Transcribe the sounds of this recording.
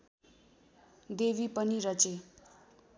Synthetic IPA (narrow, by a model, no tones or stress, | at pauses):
d̪eβipʌniɾʌt͡se